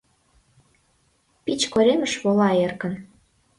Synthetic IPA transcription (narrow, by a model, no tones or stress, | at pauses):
pit͡ɕkoɾemə̆ʃβolɑerkə̆n